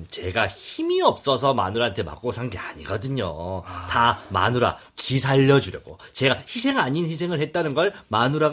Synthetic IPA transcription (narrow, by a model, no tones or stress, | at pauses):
t͡ɕe̞ɡaçimiʌp̚s͈ʌs̬ʰʌma̰nuɾantʰe̞ma̰k͈osʰaŋɡeaɲiɡʌdɯɲo̰tama̰nuɾa̰ | kisʰaʎːʌd͡ʑuɾjʌɡot͡ɕe̞ɡaçisʰe̞ŋaɲinçisʰe̞ŋɯɭhe̞t̚t͈anɯnɡʌɭmanuɾa